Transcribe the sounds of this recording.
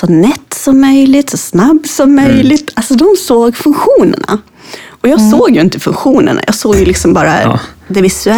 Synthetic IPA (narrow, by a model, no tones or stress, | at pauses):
sɔnɛt̪ːsɔmːœjlɪt̪sɔsnabːsɔmːœjlɪt̪ʰalsɔd̪ɔmsoːɡfɵnkɧuːnə̰ɳa̰ | ɔjɑːɡsoːɡjɵɪnt̪əfɵnɧuːnə̰ɳa̰jɑ̰ːɡsoːɡjɵlɪksɔmbɑːɾa̰d̪ɛvɪsɵɛ